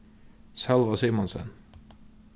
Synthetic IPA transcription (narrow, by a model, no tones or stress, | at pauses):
sɛlʋɑsiːmɔnsə̰n